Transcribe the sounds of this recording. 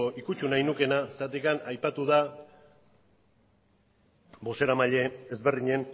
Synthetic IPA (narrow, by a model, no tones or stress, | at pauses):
oʔikut͡ʃunajnuke̞nasat̪ikanajpat̪uða | bo̞se̞ɾamaʎe̞ːzβerðiɲe̞n